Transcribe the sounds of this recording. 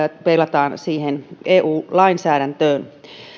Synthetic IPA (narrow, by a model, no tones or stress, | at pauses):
pelːɑt̪ɑːnsiːheneːʔuːlɑinsæːɾænt̪øːn